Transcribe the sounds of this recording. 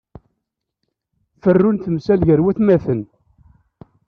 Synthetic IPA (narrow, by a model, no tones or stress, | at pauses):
fərːʊnθəmsælʝəɾwæθmæθən